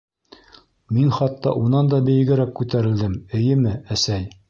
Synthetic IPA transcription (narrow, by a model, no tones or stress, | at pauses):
minχɑt̪ːɑ̰ʔunɑnd̪ɑbɘ̆jɘ̆ɡɘ̆ɾækkːʉt̪æɾɘ̆ld̪ɘmɘ̆jɘmɘæsæj